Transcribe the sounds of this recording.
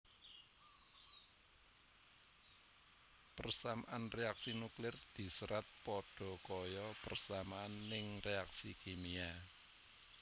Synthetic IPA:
pərsamaʔanreaksinuklɪrd̪̥i̤səɾʔat̪̚pɔɖ̥ɔ̤kɔjɔpərsamaanːɪŋreaksikemia

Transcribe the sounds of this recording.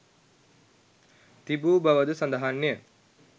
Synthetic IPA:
t̪ibuːbɐʋəd̪usɐnd̪ɐɦanːijə

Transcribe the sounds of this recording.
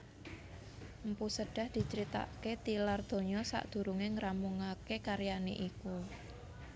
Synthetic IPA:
mpusəɖ̥a̤hd̪̥i̤t͡ʃəɾit̪a̰ʔket̪ilard̪̥o̤ɲɔsa̰ʔd̪̥ṳɾuŋeŋɾamuŋakekaɾjanḛʔiku

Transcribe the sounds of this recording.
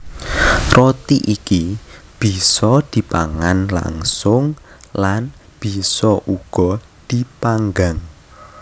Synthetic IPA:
rot̪iʔikib̥i̤sɔd̪̥i̤pa̰ŋanla̰ŋsʊŋ | lan | b̥i̤sɔʔuɡ̥ɔ | d̪̥ipaŋɡaŋ

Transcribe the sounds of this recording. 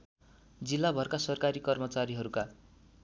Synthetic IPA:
d͡zilːabʱʌrkasʌrkaɾikʌrmʌt͡saɾiɦʌɾuka

